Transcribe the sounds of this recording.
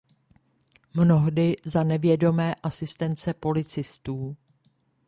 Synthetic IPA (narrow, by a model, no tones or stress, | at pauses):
mno̞ɦdɪzanɛvjɛdo̞mɛːʔasɪst̪ɛnt͡sɛpo̞lɪt͡sɪst̪uː